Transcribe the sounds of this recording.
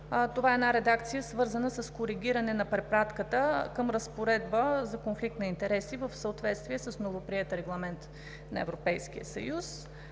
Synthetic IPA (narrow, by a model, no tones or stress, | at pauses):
t̪ovaɛnaɾɛd̪akt̪sijəsvɤɾzənəsəskoɾiɡʲiɾənɛnɐpɾɛpɾat̪kət̪əkəmɾəspoɾɛd̪bəzɐkonflik̚t̪nɐint̪ɛɾɛsivəfsəot̪vɛt̪st̪viɛsəsnovopɾiɛt̪ɾɛɡlˠɐmɛnt̪ | nɐ̰ɛ̰vɾopɛjskḭjə̰sɐ̰jus